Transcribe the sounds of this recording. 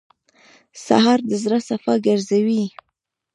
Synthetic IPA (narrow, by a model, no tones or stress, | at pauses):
sa̰ɦɑɾd̪əzɾasafɑɡaɾzawi